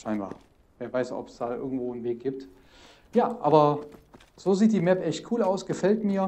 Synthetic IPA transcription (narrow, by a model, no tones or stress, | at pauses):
ʃaɪnba̰ː | veːɐvaɪsɔ̰pɛ̥sd̥aːʔɪ̰ɐɡŋ̩tv̥oːnveːk̚ɡ̥iːp̚t | jaːʔa̰ːbɐ | z̥oːziːt̚d̥iːmɛpʔɛçt̚kʰuːlaʊsɡ̥əfɛltmiːɐ